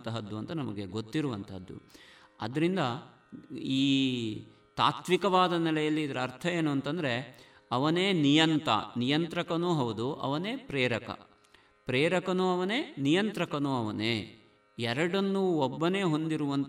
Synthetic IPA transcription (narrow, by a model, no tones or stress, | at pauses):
t̪ɐɦɐd̪ːuɐnt̪ɐnɐmɐɡe̞ɡo̞t̪ːiɾuʋɐnt̪ɐɦɐd̪ːṵ | ɐd̪ɐɾind̪ɐ | iː | t̪a̰ːt̪ʋikɐʋaːd̪ɐnɛlɐjɐlːiːd̪ɐɾɐɾt̪ʰɐjeːnuɐnt̪ɐnd̪ɐɾe̞ | ɐʋɐneːnijɐnt̪ɐ̰nijɐnt̪ɾɐkɐnuːɦɐʋud̪uʔɐ̰ʋɐne̞ːpɾɛːɾɐkɐ̰ | pɾeːɾɐkɐnuɐʋɐne̞ːnijɐnt̪ɾɐkɐnuɐʋɐneː | ɛɾɐɽɐnːuobːɐne̞ːɦo̞nd̪iɾuʋɐnt̪